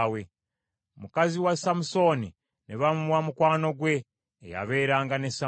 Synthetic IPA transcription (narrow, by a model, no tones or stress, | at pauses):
we | mukaziwasamuso̞ni | neβamuβwamukwaːno̞ɡwe̞̰ː | ja̰βe̞ːɾaːŋɡanesa